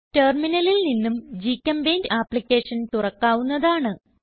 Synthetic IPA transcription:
teːrminɐlilninːumd͡ʑikːɐmbejndaːpːlikʲːe̞ːʂɐnt̪urɐkːaːʋunːɐðaːɳɨ

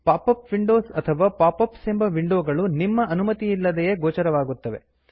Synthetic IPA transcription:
paːpɐpʋiɳɖoːsɐt̪ʰɐʋaːpaːpɐpseːmbɐʋiɳɖoːɡɐɭunimːɐʔɐnumɐt̪iːlːɐd̪ejeɡoːt͡ʃɐɾɐʋaːɡut̪ːɐʋe̞̰

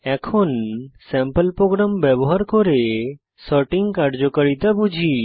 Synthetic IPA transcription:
ɛkʰonsɛ̃mpəlpɾoɡɾambɛboɦaɾkɔɾe | sɔɾʈiŋɡkaɾɖd͡ʒokəɾit̪abud͡ʒʱi

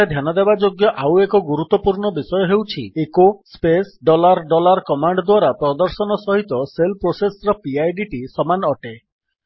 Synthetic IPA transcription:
ed̪ʱjanɔd̪ebad͡ʒoɡjɔʔawekɔɡuɾut̪ːɔpuɾɳɔbisɔjɔɦewt͡ʃʰḭekosspesɖɔlaɾɖɔlaɾkɔmaɳɖd̪waɾapɾɔd̪ɔɾsɔnɔsɔɦit̪ɔselpɾosesɾɔpiajɖiʈisɔmanɔʈe

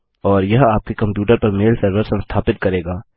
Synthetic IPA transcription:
ɔːɾjɐɦaːp̚kekɐ̃mpjuːʈəɾpɐɾmeːlsɐɾʋəɾsɐ̃nst̪ʰaːpɪt̪̚kɐɾeːɡaː

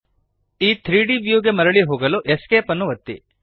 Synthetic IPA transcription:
iːt̪ʰɾiːɖiʋjuːɡe̞mɐɾɐɭiɦoːɡɐluʔeskeːpɐnːuʋɐt̪ːḭ

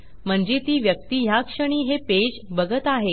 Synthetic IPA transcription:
m̤əɳd͡ʑet̪iːʋjək̚t̪iːɦjakʂəɽ̃iːɦeped͡ʑbəɡət̪aɦe

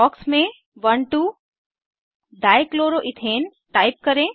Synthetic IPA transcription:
ɔːksmẽ | ʋɐnʈu | ɖaːjkloːɾoʔɪt̪ʰeːn | ʈaːɪp̚kɐɾẽ

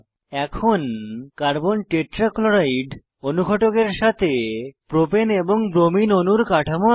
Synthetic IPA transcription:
ɛkʰonkaɾbonʈeʈɾakloɾajɖ | onukɔʈokeɾʃat̪ʰepɾopeneboŋbɾominonuɾkaʈʰamo

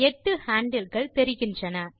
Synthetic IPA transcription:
ɛʈːɯhaːɳɖɐlɣɐɭt̪ɛɾɪɣɪndrɐnɐ

